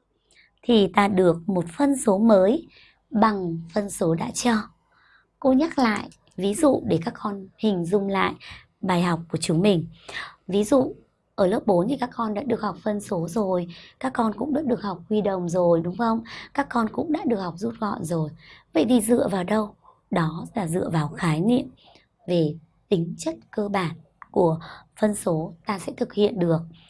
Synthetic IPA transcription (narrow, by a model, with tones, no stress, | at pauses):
t̪ʰi˨˩t̪aː˧ɗɨ˨˩ək̚mo˨˩t̚fə˧nso˨˦məː˨˦j | ɓa˨˩ŋfə˧nso˨˦ɗa̰ː˧˥t͡ɕɔ˧ | ko˧ɲa˦˥t̚la̰ː˧˨jʔ | vi˨˦zṵ˧˨ɗe˧˩kaː˦˥kːɔ˧nhï˨˩ŋ̟zʊ˧ŋ͡mla̰ː˧˨j | ɓaː˨˩jɦa˨˩wk͡p̚ku˧˩ət͡ɕʊ˨˦ŋ͡mmï˨˩ŋ̟vi˨˦zṵ˧˨ | ʔəː˧˩ləː˦˥p̚ɓo˨˦nt̪ʰi˨˩kaː˦˥kkɔ˧nɗa̰ː˧˥ɗɨ˨˩ək̚ha˨˩k͡p̚fə˧nso˨˦zo˨˩jkaː˦˥kːɔ˧nkʊ̰˧˥ŋ͡mɗɨ̰ː˧˥ɗɨ˨˩ək̚ha˨˩wk͡p̚hwi˧ɗə̰˧˨wŋ͡mzo˨˩jɗʊ˨˦ŋ͡mxə˧wŋ͡mkaː˦˥kːɔ˧nkʊ̰˧˥ŋ͡mɗa̰ː˧˥ɗɨ˨˩ək̚ha˨˩wk͡p̚zu˦˥t̚ɣɔ̰˧˨nzo˨˩jvə̰˧˨jt̪ʰi˨˩zɨ̰˧˨əvaː˨˩wɗə˧w | ɗɔ˨˦laː˨˩zɨ̰˧əvaː˨˩wxaː˨˦jnḭ˧˨əm | ve˨˩ | t̪ï˨˦ŋ̟t͡ɕə˦˥t̚kəː˧ɓaː˧˩n | ku˧˩əfə˧nso˨˦t̪aː˧sɛ̰˧˥t̪ʰɨ˨˩k̚hḭ˧˨ənɗɨ˨˩ək̚